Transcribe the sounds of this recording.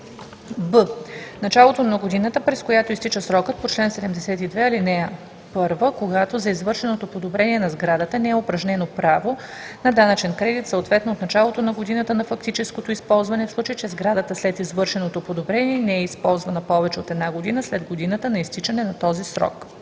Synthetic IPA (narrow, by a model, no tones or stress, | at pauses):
bənɐt͡ʃalˠot̪onɐɡod̪inət̪əpɾɛskojat̪oist̪it͡ʃəsɾɔkət̪̚pot͡ʃlɛnsɛd̪ɛmd̪ɛsɛt̪id̪vɛɐlinɛ | pɤɾvəkoɡat̪ozɐizvɤɾʃɛnot̪opod̪obɾɛniɛnɐzɡɾad̪ət̪ənɛɛopɾɐʒnɛnopɾavo | nɐd̪anɐt͡ʃɛnkɾɛd̪it̪səot̪vɛt̪noːt̪nɐt͡ʃalˠot̪onɐɡod̪inət̪ənɐfɐk̚t̪it͡ʃɛskot̪oispɔlˠzvɐnɛfslˠut͡ʃəjit͡ʃɛzɡɾad̪ət̪əslɛt̪izvɤɾʃɛnot̪opod̪obɾɛniɛnɛɛispɔlˠzvɐnɐpɔvɛt͡ʃɛot̪ɛd̪naɡod̪inəslɛd̪ɡod̪inət̪ənɐist̪it͡ʃənɛnɐt̪ɔzisɾɔ̰k